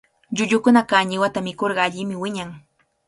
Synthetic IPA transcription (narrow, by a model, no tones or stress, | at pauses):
ʎʊʎʊkʊnakaɲɪwat̪amɪkoɾɢɑːʎɪmɪwɪɲaŋ